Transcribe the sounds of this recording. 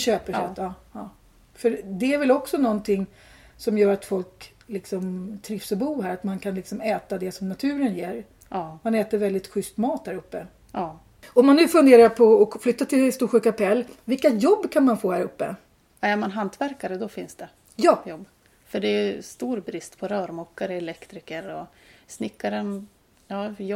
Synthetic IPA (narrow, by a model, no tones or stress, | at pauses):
ɕøːpəʂøːt̪ː | fœɾd̪ɛæɾvɛlɔksɔnɔnt̪ʰɪŋː | sɔmjœːɾat̪fɔlk | lɪksɔmt̪ʰɾɪfsɔbuːɦæːɾat̪mankʰanlɪksɔmɛːt̪ad̪ɛsɔmnat̪ʰʉ̟ːɾənjeːɾ | manɛːt̪əɾvɛld̪ɪt̪ɧʏst̪mɑːt̪̚hæːɾɵpːə | ɔmːanːʉ̟ːfɵnd̪eːɾaɾpʰɔːflʏt̪ːat̪ʰɪlst̪uːɧʉ̟ːkapʰɛlːvɪlkːajɔbːkʰanmanfoːhæːɾɵpːə̰ | aɛɾmanɦant̪væɾkaɾəd̪ɔfɪnsd̪ɛ | jɑːjɔbː | fœɖɛɛst̪uːɾbɾɪst̪pʰɔɾœːɾmɔkːaɾəɛlɛkt̪ɾɪkəɾɔsnɪkːaɾən | jɑːj